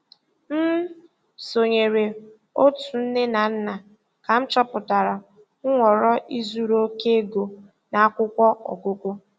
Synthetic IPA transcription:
m̩˦ | so˨ɲe˨ɾe˨ | o˦tu˨n̩˦ne˦na˨n̩˦na˨ | ka˨n̩˦t͡ʃɔ˦pʊ˨ta˨ɾa˨ | ŋ̩˦ŋʷɔ˨ɾɔ˦ʔi˦zu˦ɾo˦ke˦e˦ɡo˨ | na˨a˦kʷʊ˦kʷɔ˦ʔɔ̰˨ɡʊ˦kʷʊ˦

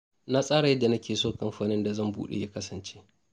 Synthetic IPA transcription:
na˦sʼaː˦ɽa˨jɐ˦dːa˨nɐ˦kʲeː˨soː˦˨ka˦mɸaː˨nɪ˦nda˨zɐ˦˨mbṵː˦ɗḛ˨ja˦kɐ˦sɐ˨nt͡ʃe˦ʔ

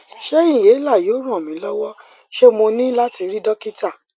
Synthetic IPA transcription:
ʃe˦ĩ˦˨je˨˦la˦˨jo˨˦ɾ̃ã˦˨mĩ˨˦lɔ˦wɔ˦ | ʃe˦mo˧nĩ˦la˦ti˧ɾi˦dɔ˦ki˦ta˦˨

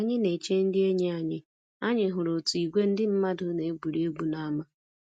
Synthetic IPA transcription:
a˦ɲɪ˦ne˨t͡ʃe˦n̩˦dɪ˦e˦ɲe˦a˨ɲɪ˦ | a˦ɲɪ˨ɦʊ˨ɾo˨tu˨i˨ɡʷe˦n̩˦dɪ˦m̩˦ma˦dʊ˦ne˨e˦ɡ͡bu˨ɾe˦e˦ɡ͡bu˦na˨a˦ma˦

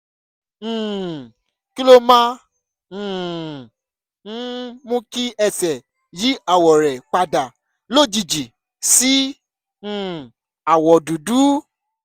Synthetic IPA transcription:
ki˦lo˦mã˦˨˦ | mũ˦ki˦ɛ˧sɛ˨ | ji˨˦a˨wɔ˨ɾɛ˨k͡pa˧da˨ | lo˦˨d͡ʒi˨d͡ʒi˨ | sĩ˨˦˨ | a˨wɔ˨du˨du˨˦

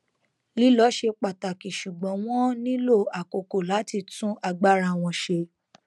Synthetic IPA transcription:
li˨˦lɔ˨˦ʃe˧k͡pa˨ta˨ki˨ʃu˨ɡ͡bɔ̃˨˦w̃ɔ̃˦nĩ˦lo˦˨a˨ko˨ko˨la˨˦ti˧tũ˦ʔa˧˨ɡ͡ba˦ɾa˧˨w̃ɔ̃˧ʃe˧

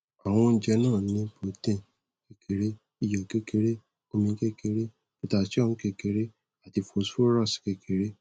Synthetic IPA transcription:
a˨w̃ɔ̃˧n̩˦d͡ʒɛ˧nãː˦˨nĩ˧bo˨tẽ˧˨ | ke˧ke˨ɾe˦ | i˦˨jɔ˨ke˦ke˧˦ɾe˦ | o˧mĩ˧˦ke˦ke˧˦ɾe˦ | i˦˧ta˧˨ti˦ɔ̃˦˨ũ˧˦ke˧ke˧ɾe˦ | a˨ti˧fo˧˨˦so˦ɾa˦˨ske˧ke˨˦ɾe˦

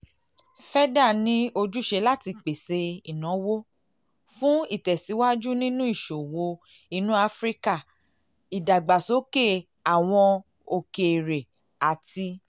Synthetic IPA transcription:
fɛ˦da˦˨nĩ˦o˧d͡ʒu˦ʃe˧la˦ti˧k͡pe˨se˧i˨nɔ̃˨˦wo˦ | fũ˦i˦˨tɛ˨si˨˦wa˦d͡ʒu˦nĩ˦nũ˦i˦˨ʃo˨wo˧ | i˨˧nũ˦a˧˦fɾi˦ka˦˨ | i˨da˨ɡ͡ba˨so˨˦ke˦˨ | a˨w̃ɔ̃˧ | o˨ke˨ɾe˨ | a˨ti˧

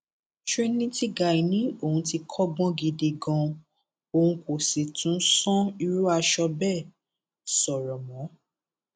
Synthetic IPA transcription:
ʃe˦nĩ˦ti˦ɡa˨i˨nĩ˨˦o˦˨hũ˧ti˧kʰɔ˦bɔ̃˦ɡi˧de˧ɡɔ̃˧ | o˧hũ˧ko˨se˨tʰũ˨˦sɔ̃˦i˧ɾu˦a˧ʃɔ˧bɛ˦˨ | sɔ˨ɾɔ˨mɔ̃˨˦

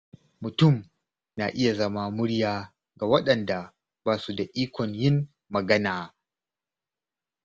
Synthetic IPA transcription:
mʊ˨tʊ˦˨m | na̰˨ʔɪ˦ja˨zɐ˦ma˦mʊ˦ɽjaː˦ | ɡa˨wɐ˦ɗɐ˨nda˨ | baː˦su˨da˨ʔiː˦kʷʰɔ˨ɲjɪ˦nː | ɐ˨ɡɐ˦naː˨

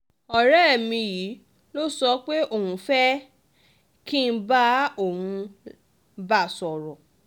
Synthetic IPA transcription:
ɔ˨ɾɛ˦˨mĩ˧ji˨˦ | lo˦sɔ˧˦k͡pe˦o˦˨hũ˨˧˦fɛ˦ | ki˦n̩˦ba˦o˦˨hũ˧ | ba˦˨sɔ˨ɾɔ˨

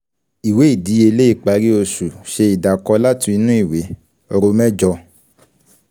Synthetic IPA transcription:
i˨we˨˦i˦˨di˨˦e˧le˦i˦˨k͡pa˨˧˦ɾi˦o˧su˨ʃe˧i˨da˨kɔ˧la˦tũ˧i˧nũ˦i˦˨we˨˦ | o˧ɾo˧mɛ̃˦d͡ʒɔ˧

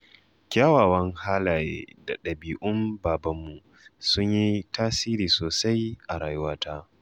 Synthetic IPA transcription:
kʲaː˦waː˨wɐ˦ŋhaː˦laː˨jḛ˦da̰˨ɗɐ˨biː˨ʔʊ˦mbaː˨bɐ˦mːu˨ | sʊ˦ɲji˦taː˦siː˦ɾiː˨soː˨sa˦jʔa˨ɾaː˨jʊ˦waː˦taː˦

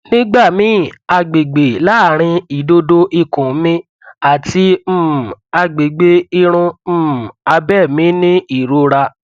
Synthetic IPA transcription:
nĩ˦ɡ͡ba˦˨mĩ˨˦a˧ɡ͡be˨ɡ͡be˨la˨˦a˨ɾ̃ĩ˧i˨do˧do˧ʔi˧˨kũ˨˦mĩ˦ | a˨ti˧m̩˦˨a˧ɡ͡be˨ɡ͡be˧i˧ɾ̃ũ˧˦˨a˧bɛ˦˨mĩ˨˦nĩ˦i˦˨ɾo˧ɾa˧

